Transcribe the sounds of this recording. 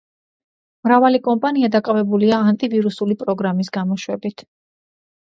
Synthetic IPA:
mɾavalikʼɔmpʼaniad̪akʼavɛbuliaːnt̪ʼiviɾusulipʼɾɔɡɾamis̬ɡamɔʃwɛbit̪ʰ

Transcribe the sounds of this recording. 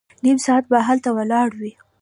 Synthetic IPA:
nimsɑat̪̚baɦalt̪awəlɑɽwi

